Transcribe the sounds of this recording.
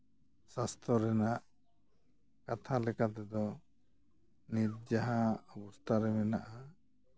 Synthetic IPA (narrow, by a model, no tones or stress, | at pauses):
sast̪ɔɾɛnaʔ | kat̪ʰalɛkat̪ɛd̪ɔ | nit̪̚d͡ʒaɦaɔbɔst̪ʰaɾɛmɛnaʔa